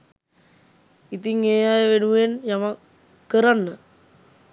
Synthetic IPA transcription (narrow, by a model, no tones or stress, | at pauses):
it̪iŋeːjajeʋenuenjama | kːəɾanːə